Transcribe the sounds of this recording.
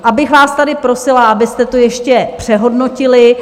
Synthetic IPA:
ʔabɪxvaːst̪adɪpɾo̞sɪlaʔabɪst̪ɛt̪ojɛʃcɛpr̝̥ɛɦo̞dno̞cɪlɪ

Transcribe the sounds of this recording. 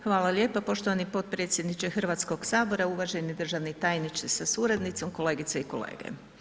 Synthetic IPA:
xʋaːlalʲje̞ːpapo̞ʃt̪oʋanipo̞t̪̚pɾe̞t̪sjed̪nit͡ʃexr̩ʋaːt̪sko̞ɡsaːbo̞ɾauʋaʒenid̪r̩ʒaʋnit̪aːjnit͡ʃ̪isasuɾed̪nit̪so̞mko̞le̞ːɡit̪seiko̞̰lḛːɡḛ

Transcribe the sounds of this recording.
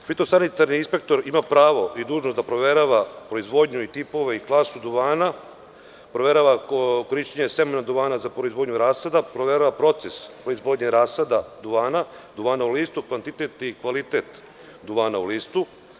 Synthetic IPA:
fit̪o̞sanit̪aɾniinspe̞k̚t̪o̞ɾimapɾaːʋo̞ʔid̪uːʒnosd̪apɾo̞ʋeɾaʋapɾo̞izʋo̞d̪ɲuit̪ipo̞ʋe̞iklˠaːsud̪uʋaːna | pɾoʋeɾaʋako̞ɾiʃt͡ɕeɲesemenad̪uʋaːnazapɾo̞izʋo̞ːd̪ɲuɾaːsad̪apɾo̞ʋeɾaʋapɾo̞t̪sespɾo̞izʋo̞ːd̪ɲeɾaːsad̪ad̪uʋaːnad̪uʋaːnauliːst̪ukʋant̪it̪et̪ikʋalit̪et̪ | d̪uʋaːnauliːst̪u

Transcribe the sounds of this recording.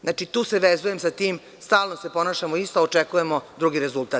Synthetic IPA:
znaːt͡ʃit̪uːseʋezujemsat̪iːm | st̪aːlˠnose̞po̞naːʃamoist̪oot͡ʂekuje̞mo̞d̪ɾuɡiɾe̞zulˠt̪aː

